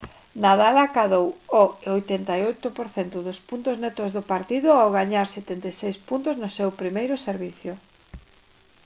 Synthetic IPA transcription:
naðalakaðowoɪojt̪ɛnt̪ajojt̪ʊpoɾθent̪ʊðʊspunt̪ʊznɛt̪ʊzðʊpaɾt̪iðʊawɣaɲaɾset̪ent̪ejsejspunt̪ʊznʊsewpɾimejɾʊseɾβiθjʊ

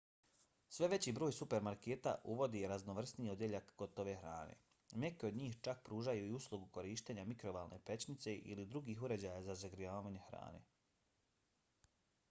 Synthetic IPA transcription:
sʋe̞ʋe̞t͡ɕiːbɾo̞ːjsupe̞ɾmaɾkeːt̪a̰ʔuʋo̞d̪iɾaznoʋr̩sniod̪je̞ʎakɡ̥o̞t̪oʋe̞xɾa̰ːne̞̰ | mekeo̞d̪ɲiːxt͡ʃak̚pɾuːʒajuiuslˠuɡuko̞ɾiːʃt̪eɲamikɾo̞baːlˠnʔepe̞t͡ɕnit̪se̞ʔḭlid̪ɾuɡiːxuɾe̞d͡ʑajazazaɡɾiaːʋaːɲe̞xɾa̰ːne̞̰

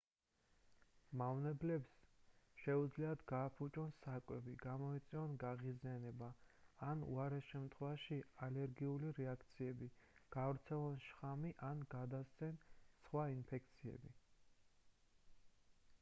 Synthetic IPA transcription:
mavnɛblɛpsʃɛud̪zliad̪ɡaːpʰut͡ʃʼɔnsakʼwɛbiɡ̥amɔit̪sʼiɔnɡaʁizianɛbaːnṵaɾɛsʃɛmt̪ʰχwɛvaʃialɛɾɡiuliɾɛakʰt̪sʰiɛbiɡ̥avɾt̪sʰɛlˠɔnʃχamiʔanɡad̪ast̪sɛnsχwainpʰɛk̚ʰt̪sʰiɛ̰bi

